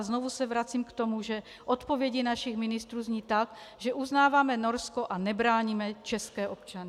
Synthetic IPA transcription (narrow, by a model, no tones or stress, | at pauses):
znovusɛvɾat͡siːmkt̪omuʒɛ | ʔot̪povjɛɟɪnaʃixmɪnɪst̪ɾuːzɲiːt̪akʒɛʔuznaːvamɛnoɾskoʔanɛbɾaːɲimɛt͡ʃɛskɛːʔopt͡ʃanɪ